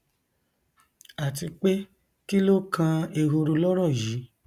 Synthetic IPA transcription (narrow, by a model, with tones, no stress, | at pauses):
a˨ti˧k͡pe˦ | ki˦lo˦kʰã˧e˧ɦo˧ɾu˧lɔ˦ɾ̃ɔ̃˦˨ji˨˦